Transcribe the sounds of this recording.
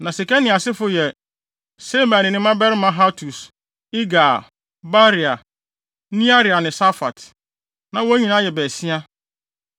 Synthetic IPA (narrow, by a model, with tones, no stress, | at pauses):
nã˨si˨kɛ˦nɪ̃˨a˨sɪ˦fʊ˨jɛ˨ | se˦mã˨nɪ̃˨nɪ̃˦mã˦bɛ˦ɾɪ˦mã˦ɦa˦tʰu˨s | i˦ɡa˨ | ba˦ɾi˨a˨ | nĩ˦a˦ɾi˨a˨nɪ̃˨sa˦fa̰˨t | nã˨wo˦ɲĩ˨nã˦jɛ˨bɛ˨si˦a˦